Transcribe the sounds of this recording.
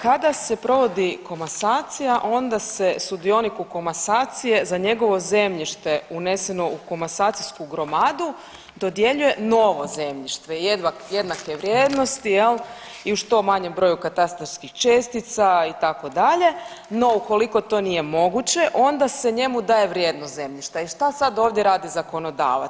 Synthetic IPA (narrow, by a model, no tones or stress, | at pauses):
kad̪ase̞pɾo̞ʋo̞d̪iko̞masaːt̪sijaʔo̞nd̪ase̞sud̪io̞nikuko̞masaːt̪sije̞zaɲe̞ɡo̞ʋo̞ze̞mʎiʃt̪eune̞se̞no̞uko̞masaːt̪siskuɡɾo̞mad̪u | d̪o̞d̪je̞ʎuje̞no̞ʋo̞ze̞mʎiʃt̪ʋejed̪ʋaje̞d̪nakeʋɾʲjeːd̪no̞st̪ijel | iuʃt̪o̞maɲe̞mbɾo̞jukat̪ast̪ɾoɾskixt͡ʃest̪it̪sait̪ako̞d̪aʎe̞ | no̞uko̞liko̞t̪o̞ːnije̞mo̞ɡut͡ɕe̞ʔo̞nd̪aseɲe̞mud̪aːje̞ʋɾʲjeːd̪nosze̞mʎiʃt̪aiʃt̪asad̪oːʋd̪jeɾaːd̪izako̞no̞d̪a̰ːʋa̰